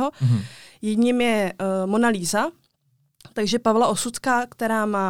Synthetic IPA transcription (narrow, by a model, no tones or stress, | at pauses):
ɦojɛdɲiːmjɛmonaliːza | t̪aɡʒɛpavlaʔosut͡s̪kakt̪ɛɾaːmaː